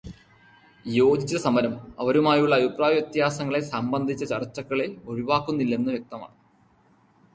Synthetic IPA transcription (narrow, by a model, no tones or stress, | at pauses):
jo̞ːd͡ʑit͡ɕːɐsɐmɐɾɐmɐ̰ʋɐɾumaːjuɭːɐːbipraːjɐjet̪jaːsɐŋːɐɭe̞sɐmbɐnd̪ʱit͡ɕːɐt͡ɕɐrt͡ɕːɐkːɐɭe̞o̞ɻiʋaːkːunːilːe̞nːɨʋjɐk̚t̪ɐma̰ːɳɨ